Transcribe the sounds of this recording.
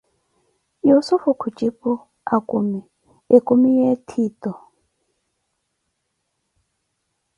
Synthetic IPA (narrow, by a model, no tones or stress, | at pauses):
josufukʰut͡ʃʼipu | akʼumi | ekʼumijetʰiːtɔ